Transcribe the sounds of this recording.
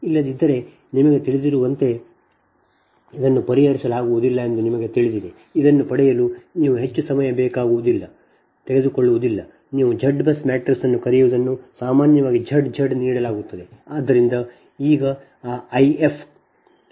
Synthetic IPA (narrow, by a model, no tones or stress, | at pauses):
ilːɐd̪id̪ːɐɾe̞ | nimɐɡe̞t̪iɭid̪iɾuʋɐnt̪e̞ | id̪ɐnːupɐɾiɦɐɾisɐlaːɡuʋud̪ilːɐe̞nd̪unimɐɡe̞t̪iɭid̪id̪e | id̪ɐnːupɐɽɛjɐluːniːʋuɦe̞t͡ʃːusɐmɐjɐbɛːkaːɡuʋud̪ilːɐ | t̪eɡe̞d̪uko̞ɭːuʋud̪ilːɐ | niːʋud͡ʒʱɐɖbɐsmaːʈɐɾsɐnːukɐɾijuʋud̪ɐnːusaːmaːnjɐʋaːɡid͡ʒɐɖd͡ʒɐɖniːɽɐlaːɡut̪ːɐd̪e̞aːd̪ːɐɾind̪ɐ | iːɡɐː | ɐjepʰ